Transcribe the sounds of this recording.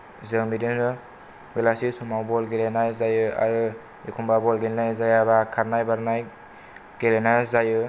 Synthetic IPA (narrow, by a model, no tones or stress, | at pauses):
zɯwmidinɾɯ | belasisumawbɔlɡeɾenajzajɯa̰ɾɯ | ikʰumbabɔlɡelnajzajabakʰaɾnajbaɾnaj | ɡ̥eɾenazajɯ